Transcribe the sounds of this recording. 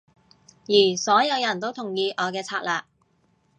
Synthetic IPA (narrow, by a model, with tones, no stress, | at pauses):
jiː˨˩sɔː˨˥jɐ˨˧wjɐ˨˩nt̪o˥wt̪ʰʊ˨˩ŋjiː˧ʔɔː˨˧kɛː˧t͡sʰaː˧k̚laː˨˧